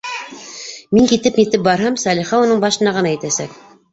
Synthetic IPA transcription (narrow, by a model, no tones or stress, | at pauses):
miŋkit̪ɘpnit̪ɘp̚bɑɾɦɑmsɑlʲiχɑunɤɴbɑʃɤ̆nɑʁɤ̆nɑæt̪æsæk̚